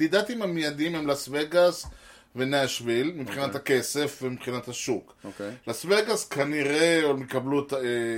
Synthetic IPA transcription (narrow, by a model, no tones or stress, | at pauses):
did̪at̪imhamijad̪imhemlasveɡas | veneaʃvilmibχinat̪hake̞se̞fvemipχinat̪haʃukokelasveɡaskʰaniʁeolmikablut̪